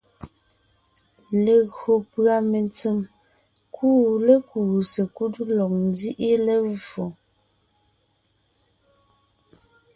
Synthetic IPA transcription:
le˨ɣo˨pɰa˦me˨nt͡se˨m | kʰu˦˨le˦ku˨se˨ku˦tlɔ˨k̚n˦di˦ʔi˦le˦vo˨

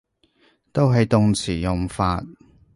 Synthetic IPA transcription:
t̪o˥wɦɐ˨jt̪ʊ˨ŋt͡sʰiː˨˩jʊ˨ŋfaː˧t̚

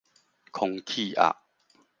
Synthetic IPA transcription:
kʰɔ˧ŋkʰi˥˧˨ʔa̰˨ʔ

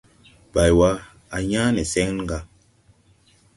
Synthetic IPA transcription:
b̥a˨jwa˦ | a˨ɲaː˦nɛ˨sɛ˦ŋ˦n˦ŋ˦ɡa˨

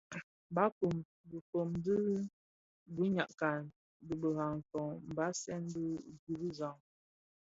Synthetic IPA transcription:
ba˦ku˨m | bə˨fo˨mdə˦ | bu˦ɲa˨ʔka˨n | də˨bə˨ɣa˨ŋ̩˨kɔ˨ŋm̩˨ba˦sɛ˦ndə˦ɡu˨bi˦za˨ŋ

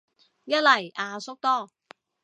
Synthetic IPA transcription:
jɐ˥t̚lɐ˨˩jaː˧sʊ˥k̚t̪ɔː˥˩

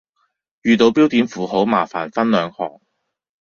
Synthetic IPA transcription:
jyː˨˧t̪o˨˧wpiː˥wt̪iː˨˥nfuː˨˩ho˨˥wmaː˨˩fa̰ː˨˩nfɐ˥nlœː˨˧ŋhɔ̰ː˨˩ŋ

